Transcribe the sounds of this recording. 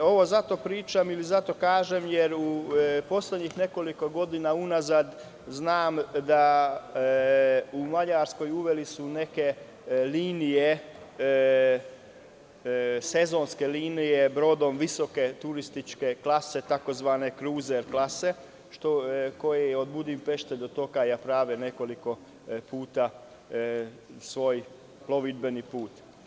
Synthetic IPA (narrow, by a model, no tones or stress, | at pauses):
o̞ʋo̞zat̪o̞pɾiːt͡ʃamilizat̪o̞kaːʒemjeɾupo̞sle̞d̪ɲixne̞ko̞liko̞ɡo̞d̪inaunazad̪ | znaːmd̪a | umaʎaɾsko̞juʋe̞lisune̞ke̞ | liːnije | se̞zo̞nskeliːnije̞bɾod̪o̞mʋiso̞ke̞t̪uɾist̪it͡ʃke̞klase̞t̪ako̞zʋaːne̞kɾuːzeɾklase̞ | ʃt̪oko̞jeod̪bud̪impe̞ʃt̪eʎd̪ot̪o̞kajaːpɾaːʋene̞ko̞liko̞ | puːt̪a | sʋo̞ːj | plo̞ʋidbenipuːt̪